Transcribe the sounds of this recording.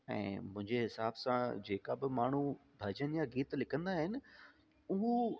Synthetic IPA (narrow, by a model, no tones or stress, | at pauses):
ɛ̰̃ːmʊ̃ɦɪ̃ɲd͡ʑeɦɪsaːbsãd͡ʑeːkabɪmaːɳ̤ubʱɐd͡ʑənjaɡiːt̪lɪkʰə̃nd̪aɦɪnɪ̆ | ʊɦũ